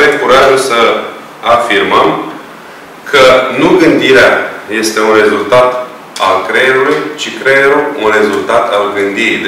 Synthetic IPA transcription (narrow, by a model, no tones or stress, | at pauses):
vekuɾaʒulsə | afirməm | kʰənuɡɨnd̪iɾeaje̞st̪e̞unre̞zult̪at̪ | alkɾeeɾulujt͡ʃikɾeeɾuunre̞zult̪at̪alɡɨnd̪iɾḭd̪